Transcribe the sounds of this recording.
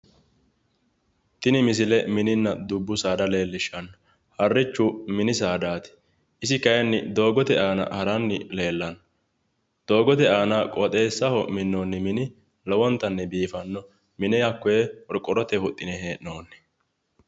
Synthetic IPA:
t̪ɪnɪmɪs̬ɪlɛmɪnɪnːɐd̪ʊbːʊsaːd̪ɐle̞ːlːɪʃːɐnːɐ | hɐrːɪt͡ʃːʊmɪnɪs̬aːd̪aːt̪ɪ̥ | ʔɪsɪkɐjɐnːɪ̰d̪o̞ːɡɔt̪ɛʔaːnɐ̰hɐɾɐnːɪle̞ːlːɐnɐ | d̪̥o̞ːɡɔt̪ɛaːnɐkʼɔt̪ʼe̞ːsːɐhɔmɪnːoːnːɪmɪnɪ | lɔwɔnt̪ːɐnːɛbiːfɐnːɔ | mɪnɛjɐkːɔjɛɔɾkʼːɔɾɔt̪ɛhʊt̪ʼːɪnɛɦeːnoːnːɛ̥

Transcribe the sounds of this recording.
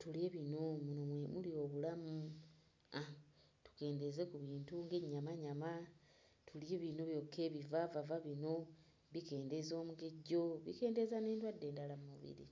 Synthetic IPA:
tulie̞βinomunomwemulio̞ːβulamu | a | tu̥ke̞ːnde̞ze̞kuβiːntuŋɡeɲːamaɲama | tʰulieβino̞βjo̞kʰːeːβivavavaβino̞ | βike̞ːnde̞zo̞ːmuɡe̞ɟːo̞βḭke̞ːnde̞zane̞ːntwadːe̞ːndalamumuβḭɾḭ

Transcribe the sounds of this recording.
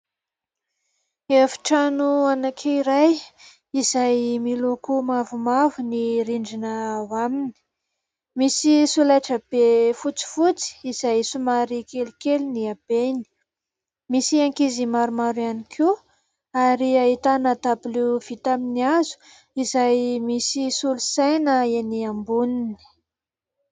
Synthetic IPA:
efi̥ʈ͡ʂanuanakʰeiɾaj | izajmilukumavumavuniɾiɳɖ͡ʐinəwamini̥ | misisulajʈ͡ʂab̥efut͡si̥fut͡si̥ːz̥ajsumaɾikelikeliniab̥eni̥ | misiaŋkizimaɾumaɾuanikʰu | aɾiaɦit̪anat̪apiluv̥it̪aminiazu̥ | izajmisisulusajnəeniambunini̥

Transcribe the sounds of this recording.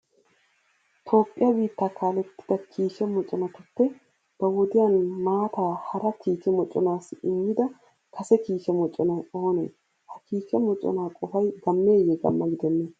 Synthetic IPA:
t̪ʰo̞ːpʼːɪjɐbiːt̪ːaːkaːlɛt̪ːɪ̥d̪ɐkʰiːʃɛmɔt͡ʃʼːɔnɔt̪ʊpːɛ | b̥ɐwɔd̪ɪjanmaːt̪aːhɐɾɐkʰiːt͡ʃɛmɔt͡ʃʼːɔ̰naːsɪmːɪd̪ɐ | kɐsɛkiːʃɛmɔt͡ʃʼːɔnɐo̞ːnḛː | hɐkiːʃɛmɔt͡ʃʼːɔ̰naːkʼɔfɐjɡɐmːe̞ːjɛɡɐ̰mːɐɡɪd̪ɛnːeː

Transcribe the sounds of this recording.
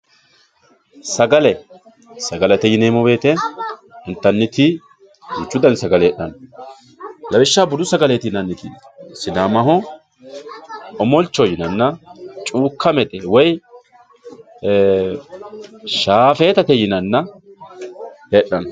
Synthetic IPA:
sɐɡɐlɛ | sɐɡɐlɐt̪ɛjɪneːmʊbe̞ːt̪ɛ | ɪnt̪ːɐnːɪt̪ɪ | ɡʊt͡ʃːʊd̪ɐnsɐɡɐleːɗːɐn | lɐbɪʃːaːbʊd̪ʊsɐɡɐleːt̪ɪnɐnːɪt̪i | sɪnaːmɐɦɔ | ɔmɔlt͡ʃːɔjɪnɐnːɐt͡ʃʼuːkʰːɐmɛt̪ʼɛwɔj | ʃaːfe̞ːt̪ɐt̪ɛjɪnɐnːɐ | eɗːɐn

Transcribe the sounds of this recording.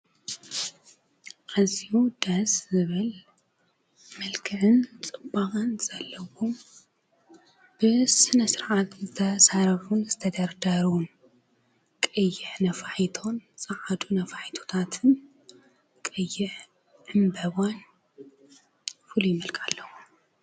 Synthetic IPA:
kɐsiud̪ɐszɨβɨl | mɐlkʰɨʕɨnt͡sʼɨbːakʼɨnz̥ɐlːɐwom | b̥ɨsɨnɐsɨɾʕat̪zɨt̪ʰɐsaɾɐfunzɨt̪ʰɐd̪ɐɾd̪aɾun | kʼɨjːɪħnɐfaħit̪ʰo̞nsʼaʕad̪unɐfaħit̪ʰo̥t̪ʰat̪ʰɨn | kʼɨjːɪħ | ʕɨmbɐβan | fɨlujɪmɨlkʼalːɐwu

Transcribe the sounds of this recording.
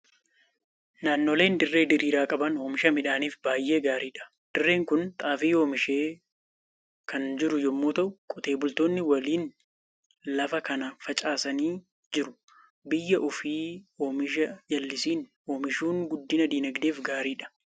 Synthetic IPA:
naːnːoːle̞ːnd̪ɪrːe̞ːd̪ɪɾiːɾaːkʼɐbɐno̞ːmɪʃɐmɪᶑaːniːfbaːjːe̞ːɡaːɾiːᶑɐ̥ | d̪̥ɪrːe̞ːŋkʊnt̪ʼaːfiːo̞ːmɪʃeː | kʰɐnd͡ʒɪɾʊjɔmːoːt̪ɐʔʊkʼɔt̪e̞ːbʊlt̪oːnːɪwɐliːn | lɐfɐkɐnɐfɐt͡ʃʼaːsɐniː | d͡ʒɪɾʊ̥ | bɪjːɐʔʊfiːo̞ːmɪʃ̬ɐjɐlːɪsiːn | oːmɪʃuːŋɡʊd̪ːɪnɐd̪iːnɐɡd̪e̞ːfɡaːɾiːᶑɐ̥

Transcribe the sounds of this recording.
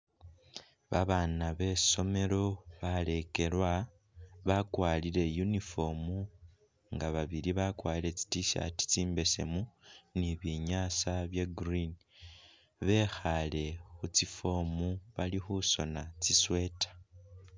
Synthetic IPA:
βaβaːnaβe̞so̞me̞lo̞βale̞ke̞lwa | βakwaːliɾe̞junifo̞mu | ŋɡaβaβiɾiβakwaːliɾe̞t͡si̥tiʃa̰ti̥t͡siːmbe̞se̞̰muniβiɲaːsaβjeɡrini | βe̞xale̞xut͡sifo̞muβalixuso̞nat͡siswe̞tḁ

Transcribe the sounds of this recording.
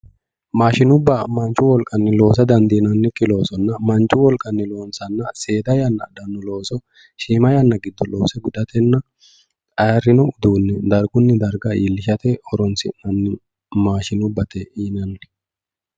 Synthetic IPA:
maːʃɪnʊbːamɐnt͡ʃːʊwɔlkʼɐnːɪlo̞ːs̬ɐd̪ɐnd̪inɐnːɪkʼːɪlo̞ːsɔnːɐmɐnt͡ʃʼːʊwɔlkʼɐnːɪlo̞ːnsɐnːɐse̞ːd̪ɐjɐnːɐ̰d̪ɐnːʊlo̞ːsɔ | ʃiːmɐjɐnːɐɡɪd̪ːɔlo̞ːsɛɡʊd̪ɐt̪ɛnːɐ | kʼɐjɐrɪnɔʊd̪uːnːɛd̪ɐɾɡʊnːɪd̪ɐɾɡɐiːlːɪʃɐt̪ɛɔɾɔnsɪnɐnːɪ | maːʃɪnʊbːɐt̪ɛʔiːnɐnːɪ̥

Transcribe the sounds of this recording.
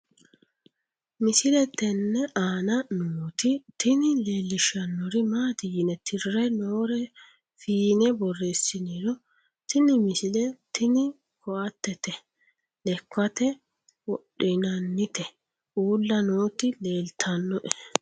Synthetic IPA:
mɪsɪlɛt̪ːɛnːɛʔaːnɐnoːt̪ɪt̪ɪnɪle̞ːlːɪʃɐnːɔɾɪmaːt̪ɪjɪnɛt̪ʰɪrːɛnoːɾɛ | fiːnɛbɔrːeːsːɪniɾɔ | t̪ɪnɪmɪsɪlɛt̪ɪnɪ | kʰɔɐt̪ːɛt̪ɛ | lɛkːɐt̪ɛ | wɔɗɪnɐnːɪt̪ɛ | uːlːɐnoːt̪ɪle̞ːlt̪ʰɐnːɔʔɛ

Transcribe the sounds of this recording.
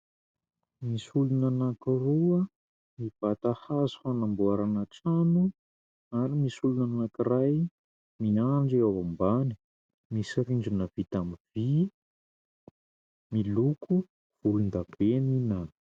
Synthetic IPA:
misulunanakiruə | miv̥at̪ahazu̥fanambuaɾanəʈ͡ʂanu | aɾimisulunanakiraj | miaɳɖ͡ʐiawambani̥ | misiɾiɳɖ͡ʐunəvit̪amivi | milukʰu | v̥ulund̪ab̥eninan

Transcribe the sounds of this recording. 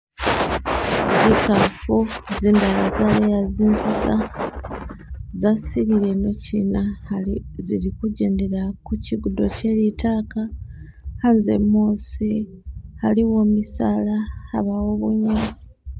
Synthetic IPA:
zikafuziːndalazalejaziːnziɡa | zasiβiɾe̞no̞cinahzilikuɟe̞ːnde̞ɾakuciɡudo̞ce̞litʰaːka | hanze̞̰mːoːsi | haliwo̞ːmisaːlaa̰βawoβuɲeːzi̥

